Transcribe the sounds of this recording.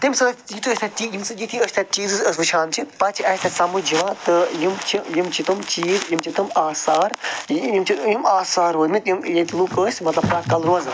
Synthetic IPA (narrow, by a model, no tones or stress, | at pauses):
t̪imsɐɐjit̪ʰɨəsʲt̪ʰʲat͡ʃiːjimsɨjit̪ʰiəsʲt̪ʰʲat͡ʃiːzɨsəsʋɨt͡ʃʰaːnt͡ʃʰipɐt͡ʃʰiɐsʲt̪ʰɐsɐmud͡ʒiʋat̪ɨjimt͡ʃʰijimt͡ʃʰit̪ɨmt͡ʃiːzjimt͡ʃʰit̪ɨmaːsaːɾjjimt͡ʃʰijimaːsaːɾɦɐnɨt̪jimjet̪ilukəːsʲmɐt̪lɐb̚kɐt̪kɐlɾozɨ